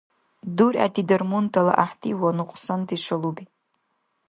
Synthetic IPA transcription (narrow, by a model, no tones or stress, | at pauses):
dura̰tʰidɐrmuntʰala̰ʔaħtʰiwanɨqʷʼsandiʂʷʰalubi